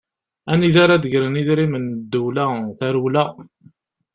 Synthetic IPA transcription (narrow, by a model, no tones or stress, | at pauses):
æniðaɾad̪əʝɾəniðɾimənd̪ːulæθæɾulæ